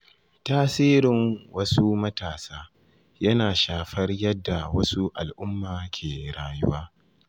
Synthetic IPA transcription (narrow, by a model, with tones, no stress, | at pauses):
taː˦siː˦ɾɪ˨ŋwɐ˦su˦mɐ˦taː˨saː˦ | jɐ˦naː˨ʃaː˨ɸɐ˦rjɐ˦dːa˨wɐ˦su˦ʔa̰˨lʔʊ˦mːaː˨kʲʰeː˨ɽaː˨jʊ˦waː˦